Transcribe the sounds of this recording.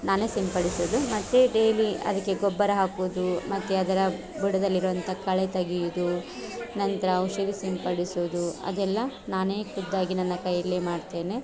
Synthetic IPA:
naːneːsimpɐɽisoːd̪umɐt̪ːeɖe̞ːliɐ̰d̪ɐkːe̞ɡɔbːɐɾɐɦaːkuʋd̪umɐt̪ːuɐd̪ɐɾɐ | buɽɐd̪ɐlːiɾuʋɐnt̪ʰɐkɐɭet̪ɐɡijud̪u | nɐnt̪ɐɾɐːuʃɐɾisimpɐɽisoːd̪uɐ̰d̪ɛlːɐnaːne̞ːkud̪ːaːɡinɐnːɐkɐjɐlːeːmaːɖt̪e̞ːne̞

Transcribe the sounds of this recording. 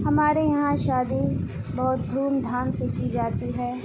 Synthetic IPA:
hɐmaːɾejɐɦãʃaːd̪i | bɔːʊt̪̚d̪ʱuːnd̪ʱaːmsekid͡ʒaːt̪iɦɛː

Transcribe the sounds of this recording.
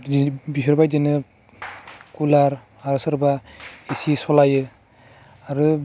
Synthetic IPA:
bisʰɔɾbajdinɯ | kulaɾ | aɾɯsɯɾbaisisɔlajɯ | aɾɯ

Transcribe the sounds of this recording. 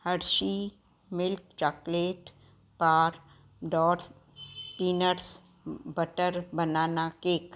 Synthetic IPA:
həɾʃi | mɪlkt͡ʃaːkleːʈ | paːɾ | ɖɔːɾs | piːnəɾs | bəʈəɾbɐnaːnakeːk

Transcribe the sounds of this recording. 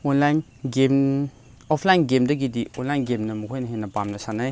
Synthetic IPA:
ɔnlajn | ɡem | ɔpʰlajnɡemdɐɡidiɔnlajnɡemnɐmukʰojnɐɦenɐpamnɐsanaj

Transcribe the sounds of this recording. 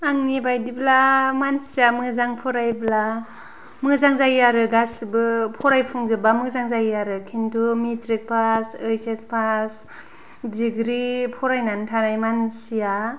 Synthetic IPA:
aŋnibajdiblamansijamɯzaŋpʰɔɾajbla | mɯzaŋzajiaɾɯɡasibɯpʰɔɾajpʰuŋzɯbamɯzaŋzajiaɾɯkʰintʰumitɾik̚pʰasɯjsespʰas | diɡɾipʰɔɾajnantʰaɾajmansija

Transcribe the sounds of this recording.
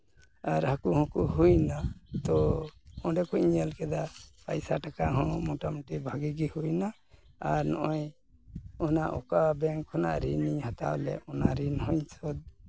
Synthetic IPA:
aɾhakuhɔ̃kuhujnat̪ɔɔ̃ɖɛkuʔiɲəlkɛd̪apa̰jsaʈakaɦɔ̃mɔʈamʈibʱaɡiɡihujna | aɾnɔ̰ʔɔj | ɔnaʔɔkabɛŋkʰːɔna̰ʔɾiniɲhat̪a̰wlɛ̰ɔnaɾinhɔ̃ɲt͡ʃɔd̪̚

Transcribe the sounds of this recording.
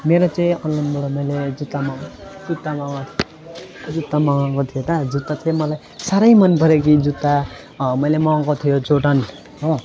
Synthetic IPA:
meɾot͡saj̃ʌnlʌnbuɽomʌjled͡zut̪ːamad͡zut̪ːamaŋat̪ʰio | d͡zut̪ːamaŋakot̪ʰijot̪ad͡zut̪ːatʰimʌlaj | saɾʌjmʌnpʌɾek̬id͡zut̪ːa | mʌjlemãŋkot̪ʰijot͡soʈʌn | ɦõ

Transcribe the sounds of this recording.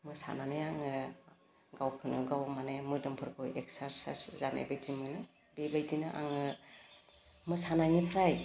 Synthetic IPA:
mɯsa̰nanɯjaŋɯ | ɡawkʰɯnɯɡawmanemɯdɯmpʰɯɾɡojeksaɾsa̰szana̰jbajdimɯnɯ | bebajdinɯʔa̰ŋɯ | mɯsanaŋipʰɾaj

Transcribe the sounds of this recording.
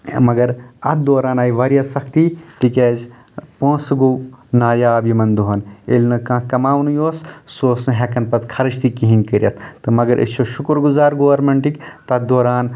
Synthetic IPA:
mɐɡɐɾɐt̪̚d̪oːɾaːnaːjʋɐɾijɐsɐkʰt̪it̪ikeːz | põːsɡoːnaːjaːbimɐnd̪uɦɐnḛlnɨkãːkɐmaːʋnɨjoːssoːsnɨɦekɐnpɐt̪kʰɐɾɐt͡ʃt̪ikiɦinkəɾʲjɐt̪ʰt̪ɨmɐɡɐɾʔḛt͡ʃʰoʃukɾɡuzaːɾɡoːɐɾmeɳʈikt̪ɐt̪̚d̪oːɾaːn

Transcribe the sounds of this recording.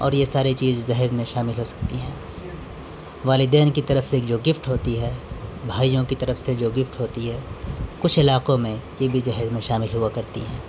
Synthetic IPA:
ɔ̰ːɾjesaːɾit͡ʃiːzd͡ʒɐɦɛzmẽʃaːmɪlɦosɐ̥k̚t̪iɦɛ̃ː | ʋaːlɪd̪ɛːnkit̪ɐɾəfsed͡ʒoːɡɪfʈɦoːt̪iɦɛːbʱaːijõkit̪ɐɾəfsed͡ʒoːɡɪfʈɦoːt̪iɦɛːkʊt͡ʃʰɪlaːqõmẽjebʱid͡ʒɐɦzmẽʃaːmɪlɦʊakɐɾt̪ḭɦɛ̃ː

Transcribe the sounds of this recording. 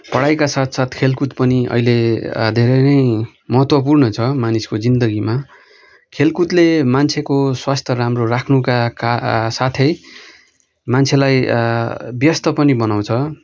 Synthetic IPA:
pʌɽajkasat̪ʰsat̪ʰkʰelkut̪pʌniʌ̰iled̪ʱeɾʌnʌj | mʌɦʌt̪wʌp̬urnʌt͡sʰʌmaniskod͡zind̪ʌɡima | kʰelkut̪lemant͡sʰekoswast̪ʰʌɾamrorakʰnukakasat̪ʰʌj | mant͡sʰelaj | bjʌst̪ʌpʌnibʌnaw̃t͡sʰʌ

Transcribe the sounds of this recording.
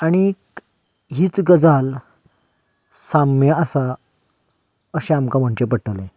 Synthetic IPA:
aɽ̃i | ɦiːt͡sɡəd͡zal | samjaəsa | əɕẽamkam̤əɳt͡ɕepəʈəle

